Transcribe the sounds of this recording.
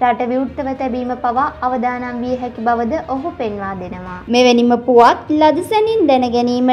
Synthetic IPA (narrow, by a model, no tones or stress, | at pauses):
ɾaʈɐʋiut̪ːɐʋət̪ɛbiːməpɐʋaːʋəd̪aːnamʋiəɦɛkibɐʋəd̪əʔoɦupenʋaːd̪enəʋaːmeʋeniməpuʋat̪lɐd̪usɐnind̪ɛnəɡɛniːmə